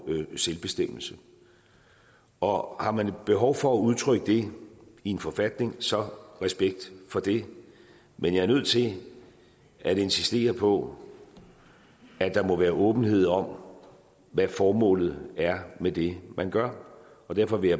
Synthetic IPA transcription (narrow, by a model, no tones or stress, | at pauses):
selb̥e̝sd̥em̰l̩sə | ɒ̽hɑ̈mænb̥e̝ɦɒʊfɒ̽æuðˠt͡sʰʁœɡ̥əd̥e̝ie̝nfɒ̽fæd̥ne̝ŋsɒ̽ʁɛsb̥eɡ̥̚d̥fɒ̽d̥e̝ | mʔenjɑ̈æɐnøð̞̰ˠt͡sʰe̝ | æɾ̥e̝nsisd̥e̝̰ːɐpʰɒ̽ | æd̥ɑ̈mɔ̽ʋæːɐʔɔ̽ːb̥n̩he̝ð̞̰ˠɒ̽m | ʋæfɒːmɔ̰̽ːlð̞̩ˠæɐmed̥e̝mænɡ̥ɶɐ | ɒ̽d̥æɐfɒ̽ʋe̝jɑ